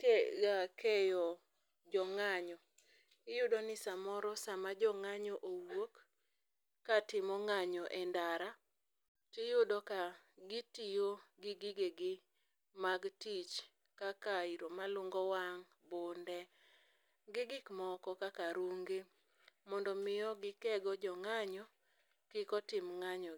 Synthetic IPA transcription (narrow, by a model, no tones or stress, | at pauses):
ɡakejɔ | d͡ʒɔŋaɲɔ | ɪjʊdonɪsamɔɾɔsamad͡ʒɔŋaɲɔʔowokː | atɪmɔŋaɲɔʔɛndaɾa | tɪjʊdɔkaɡɪtijoɡɪɡɪɡeɡɪ | maɡtit͡ʃ | kakaiɾomalʊŋɡɔwaŋ | bondɛ | ɡɪɡɪkmɔkɔkakaɾuŋɡe | mɔndɔmɪjɔɡɪkɛɡɔd͡ʒɔŋaɲɔ | kɪkɔtɪmŋaɲɔ